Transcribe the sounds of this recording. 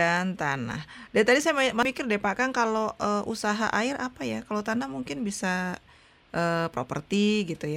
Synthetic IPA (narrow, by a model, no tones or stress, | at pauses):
ant̪ana̰hdat̪adisajamamamikɪrdepakankaloʔəʔṵsaɦa̰ʔaɪɾʔapajakalot̪anahmuŋkɪnbisa | ʔəːpɾo̰pə̰rt̪iɡit̪uja